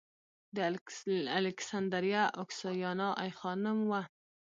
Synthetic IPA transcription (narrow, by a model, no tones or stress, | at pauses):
d̪əalɪksand̪aɾjaʔʊksɑjɑnɑʔajxɑnʊmwa